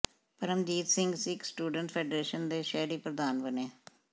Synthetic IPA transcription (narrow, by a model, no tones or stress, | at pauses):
pəɾəmd͡ʒiːt̪sɪŋɡsɪksʈuːɖəɳʈpʰeːɖɾeːʃənd̪eːʃɛːɾiːpɾəd̪aːnbəneː